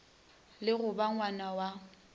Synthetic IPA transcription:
lɪɣʊbaŋwanawa

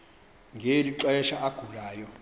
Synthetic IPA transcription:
ŋʱeliǁaɛʃaʔaɡ̥ʱulaːjɔ

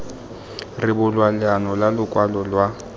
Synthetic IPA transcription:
rɪbʊlwalɪanɔlalʊkʼwalɔlwa

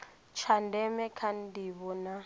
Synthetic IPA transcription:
t͡ʃʰandɛmɛkʰandiβɔna

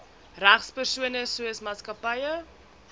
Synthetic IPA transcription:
ræχspərsuənəsuəsmaːtskɐpəjə

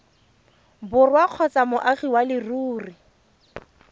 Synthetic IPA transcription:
bʊrwaq͡χʰɔt͡samʊʔaɣiwalɪruːri

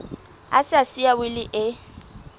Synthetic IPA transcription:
a̰sɪasiabɪlɪʔɪ

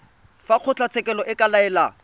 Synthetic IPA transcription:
faq͡χʰʊt͡ɬʰat͡sʰɛkʼɛlɔʔɪkʼalaɛla

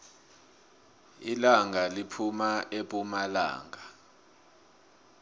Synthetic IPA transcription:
ḭlaŋʱalipʰumaʔeɓʼumala̰ːŋʱa

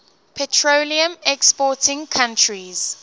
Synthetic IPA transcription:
pʰɛtʰɹoliə̃mɛkspɔtɪ̃ŋkʰãntʰɹiz̥

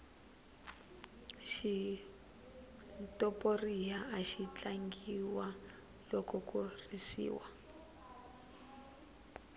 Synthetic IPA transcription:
ʃi | tɔporijaːʃit͡ɬaŋɡiwa | lɔkɔkurisḭːwa

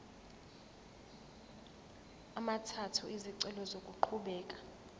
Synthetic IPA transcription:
amatʰatʰuʔiziǀɛlɔzokʼuǃʰuɓɛːkʼḁ

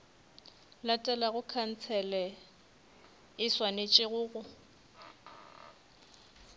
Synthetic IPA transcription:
latʼɛlaɣʊkʰan̩t͡sʰɛlɛ | ɪswanet͡ʃʼɪɣʊːɣʊ

